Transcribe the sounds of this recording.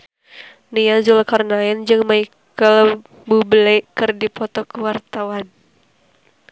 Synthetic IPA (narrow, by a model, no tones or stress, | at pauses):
nijazulkarnaɛnd͡ʒɨŋmaikkəl | bubəlɛkɨrdipɔt̪ɔkəwart̪awan